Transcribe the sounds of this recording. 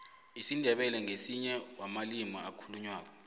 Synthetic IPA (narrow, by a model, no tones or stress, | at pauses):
isindʱɛɓɛlɛŋʱesiɲɛwamalimɔakʰuluɲwaːk̬ɔ